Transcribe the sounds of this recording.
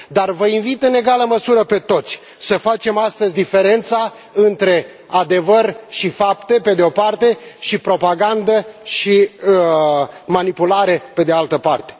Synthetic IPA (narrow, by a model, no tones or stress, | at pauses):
d̪arvəinvit̪ɨne̞ɡaləməsuɾəpe̞t̪o̞t̪sʲ | səfat͡ʃe̞mast̪əzʲd̪ife̞ɾe̞nt̪sa | ɨnt̪ɾe̞ | ad̪e̞vərʲʃifapt̪e̞pe̞d̪eo̞part̪e̞ʃipɾo̞paɡand̪əʃi | manipulaɾe̞pe̞d̪ealt̪əpart̪e̞